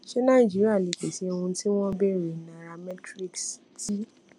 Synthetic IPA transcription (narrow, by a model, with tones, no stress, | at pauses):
ʃe˦nã˦˨i˨d͡ʒi˨˦ɾi˦a˦˨le˨ke˨si˨˦˧ũ˧ti˦w̃ɔ̃˦bɛ˦˨ɾi˨nã˨ɾa˧mɛ˦tɾi˦ksti˦